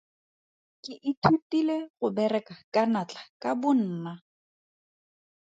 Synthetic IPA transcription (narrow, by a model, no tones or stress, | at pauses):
kɪʔɪtʰutileɣʊbɛrɛkakanat͡ɬʼḁkabʊn̩ːna